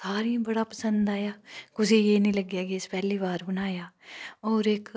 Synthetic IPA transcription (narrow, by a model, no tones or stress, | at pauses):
saːɾĩbəɽaːpəsə̃nd̪aːjaːkʊsiːjeːnĩːləɡjaːɡeːspɛːliːbaːɾbənaːjaːɔːɾɪk